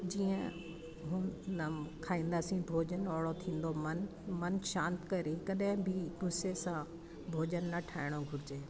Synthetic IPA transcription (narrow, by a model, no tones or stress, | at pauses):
d͡ʑiːə̃ | ɦũnɐkʰaːĩːnd̪aːsĩbʱoːd͡ʑənɔːɽot̪ʰĩːn̆d̪omɐnmɐnʃãːnt̪kɐɾikɐɗɦɪ̃bʱɪɡʊsesã | bʱoːd͡ʑənːɐʈʰaːɪɽ̃oɡʱʊɾɪd͡ʑeː